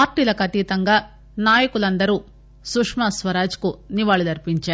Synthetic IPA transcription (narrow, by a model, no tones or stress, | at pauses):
aːɾʈiːlɐkɐt̪iːt̪ɐŋɡaː | naːjɐkulɐnd̪ɐɾuː | sukʂmɐsʋɐɾaːd͡ʒkuniʋaːɭud̪ɐɾpiɲt͡ʃaːɾu